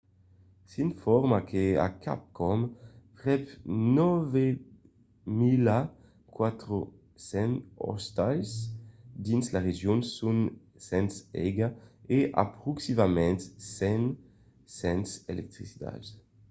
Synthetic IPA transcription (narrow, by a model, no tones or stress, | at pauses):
sinfɔɾmakʰea̰kʰa̰p̚kʰɔmpʁɛpnɔve | mila | kwat̪ɾo | sɛnɔ̰st̪ajsd̪inslaʁeʒjonsun | sɛnsɛɡaeʔa̰pɾuksimamɛ̃nt̪sɛn | sɛnsḛlɛk̚t̪ɾisit̪a̰z